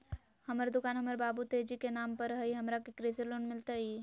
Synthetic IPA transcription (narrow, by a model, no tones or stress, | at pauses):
həməɾd̪ʊkaːnɦəməɾbaːbut̪ed͡ʒikenampəɾəɦəiɦəmɾakekɾeselonmɪlt̪ai